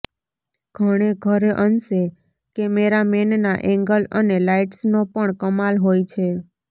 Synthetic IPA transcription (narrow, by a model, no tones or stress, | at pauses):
ɡ̥ʱəɽ̃eɡʱəɾeʔənse | kemeɾamennaʔɛ̃ŋɡələnelaiʈsnopəɳkəmalɦojt͡ʃʰe